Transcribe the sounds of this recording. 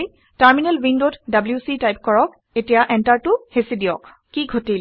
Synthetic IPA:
j | taɹminɛlwindotdabljusitajp̚kɔɹɔk̚ | etijaʔɛntaɹtʊhesidijɔk | kiɡʱotil

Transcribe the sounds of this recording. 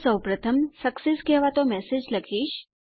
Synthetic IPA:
səwpɾət̪ʰəmsəkseskɛʋat̪omɛsed͡ʒləkʰiʃ

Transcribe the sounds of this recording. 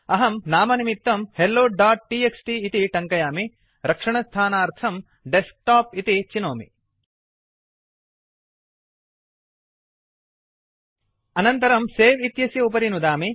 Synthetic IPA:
ɐɦɐmnaːmɐnimit̪ːɐmhelːoːɖaːʈ̚ːiːeksʈiːt̪iʈɐŋkɐjaːmi | ɾɐkʂɐɳɐst̪ʰaːnaːɾt̪ʰɐm | ɖesk̚ʈaːpit̪it͡ʃinoːmḭ | ɐnɐnt̪ɐɾɐmseːʋit̪jɐsjɐup̬ɐɾinud̪aːmi

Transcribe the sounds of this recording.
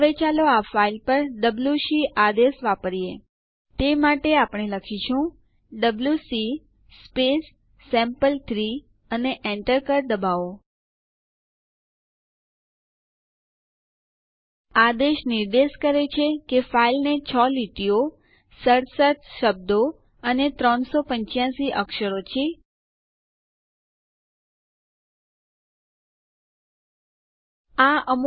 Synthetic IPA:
ʋet͡ʃaloafailpəɾɖəbljusiʔad̪eʃʋapəɾije | t̪emaʈeapɳeləkʰiʃʰũ | ɖəbljusi | spesː | ɛ̃mpəlt̪ʰɾi | əneʔɛ̃ɳʈəɾkəɾd̪əbao | ad̪eʃniɾd̪eʃkəɾet͡ʃʰekefailnet͡ʃʰɔliʈio | səɾsət̪ʃəb̚d̪o | ənet̪ɾɔnsopəɲt͡ʃjãsiʔəkʃəɾot͡ʃʰe | aəm

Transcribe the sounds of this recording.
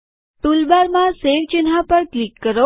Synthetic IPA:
t̪ulbaɾmãseʋt͡ʃɪnɦapəɾklikːəɾo

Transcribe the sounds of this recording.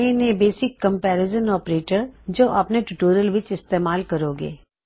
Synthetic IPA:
enebeːsɪkːɐ̃mpɛːɾɪzənɔːpɾeːʈəɾd͡ʒoːʔɐpneʈuʈoːɾəlʋɪt͡ʃɪst̪eːmaːlkɐɾoːɡḛː

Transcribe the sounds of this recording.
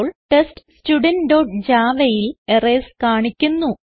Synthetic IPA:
ɭʈeststuɖɐnɖo̞ːʈd͡ʑaːʋɐjilereskaːɳikʲːunːu

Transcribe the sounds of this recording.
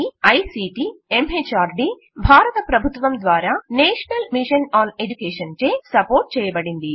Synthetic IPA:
iɐjsiːʈiːemeːt͡ʃaːɾɖiː | bʱaːɾɐt̪ɐpɾɐbʱut̪ʋɐmd̪ʋaːɾaːneːʂɐnɐlmiʂɐnaːned͡ʒukeːʂɐnt͡ʃeːsɐpoːɾʈ̚t͡ʃɛːjɐbɐɽind̪i

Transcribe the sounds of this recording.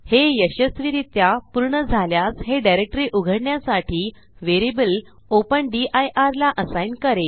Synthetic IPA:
hejəɕəsʋiɾit̪japuɾɳəd͡zʱaljasɦeɖajɾek̚ʈəɾiːʔuɡʱəɽɳjasaʈʰiː | ʋeɾibəl | opəɳɖiʔajʔaɾlaʔəsajnkəɾe

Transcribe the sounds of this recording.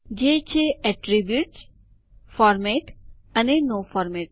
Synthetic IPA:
d͡ʒet͡ʃʰeʔɛʈɾibjuʈs | fɔɾmeʈ | ənenofɔɾmeʈ

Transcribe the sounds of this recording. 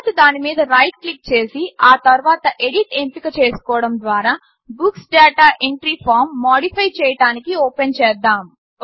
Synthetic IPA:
t̪ud̪aːnimiːd̪ɐɾɐjʈklik̚t͡ʃe̞ːsiaːt̪ɐɾuʋaːt̪ɐʔe̞ɽiʈempikɐt͡ʃeːsu̥kɔːʋɐɽɐmd̪ʋaːɾaː | buksɖaːʈaːʔeɳʈɾipʰaːɾmːaːɽipʰɐjt͡ʃɛːjɐɽaːnikioːpent͡ʃɛːd̪aːm

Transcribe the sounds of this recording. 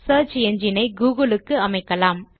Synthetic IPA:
sɐːɾt͡ʃɛɲd͡ʒɪnɐɪɡuːɣɐlɯkːɯɐmɐɪkːɐlaːm

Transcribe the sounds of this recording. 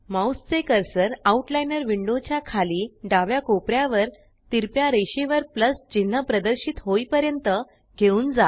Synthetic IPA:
mawst͡sekəɾsəɾauʈlajnəɾʋiɳɖot͡ɕjakʰaliːɖaʋjakopɾjaʋəɾ | t̪iɾpjaɾeɕiʋəɾpləsd͡ʑin̤ːəpɾəd̪əɾɕiːt̪ɦoipəɾjənt̪ə | ɡʱeuːnd͡za

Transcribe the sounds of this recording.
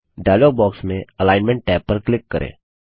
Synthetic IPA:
ɖaːjloːɡ̚bɔːksmẽəlaːɪnmɛ̃ɳʈ̚ːɛːpːɐɾklɪkːəɾʔḛ̃ː

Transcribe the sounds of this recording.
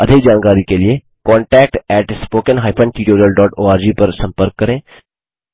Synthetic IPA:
ɐd̪ʱɪk̚d͡ʒaːnkaːɾikelɪe | kɔːɳʈɛːk̚ʈɛːʈspoːkənɦaːjpʰə̃ɳʈiːʈoːɾijəlɖɔːʈoːaːɾd͡ʒiːpɐɾsɐ̃mpəɾkːɐɾẽː

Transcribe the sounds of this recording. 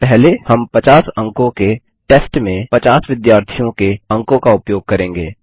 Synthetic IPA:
pɛɦlehɐmpɐt͡ʃaːsɐ̃ŋkõke | ʈeːsʈmẽpɐt͡ʃaːsʋɪd̪jaːɾt̪ʰijõkeɐ̃ŋkõkaʊpjoːɡ̚kɐɾẽːŋɡḛː

